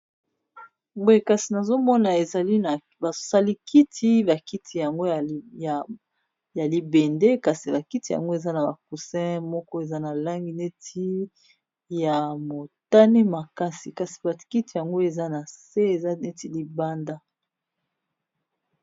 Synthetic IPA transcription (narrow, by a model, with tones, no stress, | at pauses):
bo˦e˨ka˨si˨na˨zo˦mɔ˦na˨e˨za˨li˦na˨ | bḁ˨sa˦li˦ki˦tʰi˦ba˨ki˦tʰi˨ja˨ŋɡo˦˨ | ja˨li˨be˨nde˦ka˨si˨ba˨ki˦ti˨ja̰˨ŋɡo˦e˨za˦na˨ba˨k̚u˨sɛ̃˦mɔ˦kɔ˦e˨za˦na˨la˦ŋɡi˦ne˦tʰi˦ | ja˨mo˨ta˦ni˦ma˨ka˦si˨ka˨si̥˨ba˨ki˦ti˨ja˨ŋɡo˦e˨za˦na˨se˦e˨za˦ne˦ti˦li˨ba˦nda˦